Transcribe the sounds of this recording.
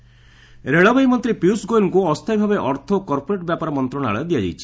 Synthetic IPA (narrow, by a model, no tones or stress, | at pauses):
ɾeɭɔbajmɔnt̪ɾipiusɡojnkuɔst̪ʰajbʱabeʔɔɾt̪ʰokɔɾpoɾeʈbjapaɾɔmɔnt̪ɾɔɽ̃a̰ɭəd̪ijad͡ʒa̰jt͡ʃʰi̥